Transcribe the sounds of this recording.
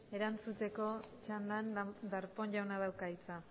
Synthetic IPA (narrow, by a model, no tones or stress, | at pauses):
e̞ɾant͡sut̪e̞ko̞t͡ʃand̪and̪aɾpo̞nʝawnað̞awkait͡sa